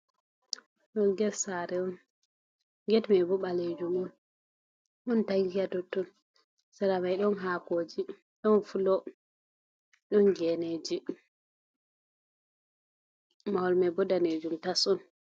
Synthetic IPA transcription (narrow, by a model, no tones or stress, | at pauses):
ɗɔnɡɛtsaɾɛɔn | ɡɛtmɛbɔɓaled͡ʒumɔn | ʔɔntajɡatɔtːɔn | saɾamajɗɔnɦaːkod͡ʒi | ɗɔnfulɔ | ɗɔnɡɛned͡ʒi | mawɔlmɛbɔdaned͡ʒumtasɔn